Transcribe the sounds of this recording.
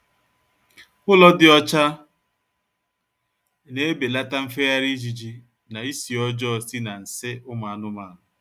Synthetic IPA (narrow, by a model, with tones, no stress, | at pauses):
kʊ˦lɔ˦dɪ˨ɔ˦t͡ʃa˦ | ne˦be˨la˦ta˦m̩˦fe˦ja˦ɾi˦d͡ʒi˨d͡ʒi˦ | na˨i˦si˨ɔ˦d͡ʒɔ˦˨si˦na˨n̩˨sɪ˦ʊ˦ma˨a˨nʊ˦maː˦˨ɦʊ˨